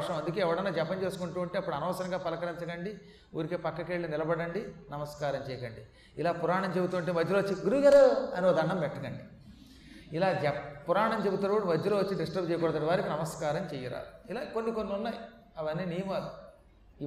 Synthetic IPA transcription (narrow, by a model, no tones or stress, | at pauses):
ʂɐmɐnd̪ukeːɛʋɐɽɐnːaːd͡ʒɐpːɐɲt͡ʃe̞ːsu̥kuɳʈuːɐɳʈeːɐpːuɽɐnɐːsɐɾɐŋɡaːpɐlɐkɐɾint͡ʃɐɡɐɳɖi | uːɾikeːpɐkːɐkeːɭːinilɐbɐɽɐɳɖinɐmɐskaːɾɐmt͡ʃɛːjɐkɐɳɖi | ilaːpuɾaːɳɐmt͡ʃe̞but̪uɐɳʈeːmɐd͡ʒːuloːɐt͡ʃːiɡuɾuʋiɡaːɾeɐnioːd̪ɐɳːɐmbɛʈːɐkɐɳɖi | ilaːd͡ʒɛpuɾaːɳɐmt͡ʃebut̪unːɐuɽumɐd͡ʒːuloːʋɐt͡ʃːiɖisʈɾɐb̚t͡ʃejɐkɔːɽɐd̪ɐɳɖiʋaːɾikinɐmɐskaːɾɐmt͡ʃɛːjɐɾa̰ːilaːkonːikonːiunːaːji | ɐʋɐnːiːniːɐmalu | i